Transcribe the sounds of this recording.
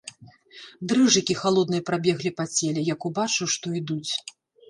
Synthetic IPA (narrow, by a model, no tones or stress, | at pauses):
d̪ɾɨʐɨkʲixalˠɔd̪nɨjɐpɾabʲɛɣlʲipat͡sʲɛlʲɛjakubat͡ʂɨwʂt̪ɔid̪ut͡sʲ